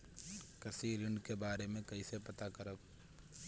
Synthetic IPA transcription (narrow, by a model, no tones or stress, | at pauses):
kɐsiːɾɪ̃ɳɖkebaːɾemẽkɐisepɐt̪akɐɾəb